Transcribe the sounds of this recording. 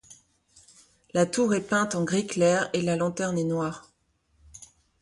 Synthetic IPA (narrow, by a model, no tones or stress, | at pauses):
lat̪uʁɛpɛ̃t̪ɑ̃ɡʁiklɛʁelalɑ̃t̪ɛʁnɛnwaːʁ